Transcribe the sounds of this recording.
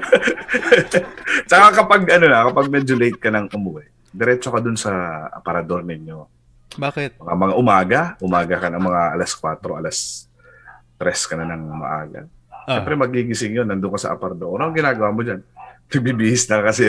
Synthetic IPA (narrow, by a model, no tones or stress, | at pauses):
t͡ʃɐkakɐpaɡʔɐnonɐkɐpɐɡ̚mɛd͡ʒolejt̪̚kɐnɐŋʔʊmʊwɛ | d̪ɛɾɛt͡ʃo̞kɐd̪ʊnsɐʔɐ̰pɐɾɐd̪o̞ɾnɪɲːo̞ | bamɐŋamɐŋaʔʊmaːɡɐʔʊmaːɡɐkɐnɐŋmɐŋaʔɐlaskwat̪ɾo̞ʔɐlas | t̪ɾɛskɐnɐnɐŋmɐ̰ʔa̰ːɡɐ̰ | ʃɛmpɾɛmɐɡ̚iɡɪsɪŋjonːɐnd̪ʊŋkɐsɐ̰ʔɐ̰pɐɾɐd̪oʔoɾɐɐŋɡɪnaːɡɐwaːmod͡ʒanpɐɡ̚bibihɪsnɐkɐsɛ